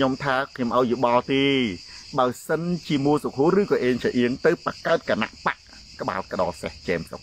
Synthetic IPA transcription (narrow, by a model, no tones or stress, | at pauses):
ɲomt̪ʰaːkʰɲomʔaɔjjuɓɑlt̪eːɓaəjsənt͡ɕiəmuəlsok̚ɦuərɨːkɑːʔeːɲsaʔiəŋt̪ɨwpakaət̪̚kana̰ʔpaʔ | kə̆ɓa̰ːlkə̆ɗɑ̰ːlseht͡ɕɛːmso̰k̚